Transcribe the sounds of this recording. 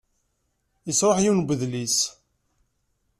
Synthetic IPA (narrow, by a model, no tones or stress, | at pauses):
jəsɾˤəħjiwnɡʷəðlis